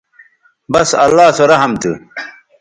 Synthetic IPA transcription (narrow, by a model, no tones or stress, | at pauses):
bɐsɐ̰lːaːsoɾɐɦɐmt̪u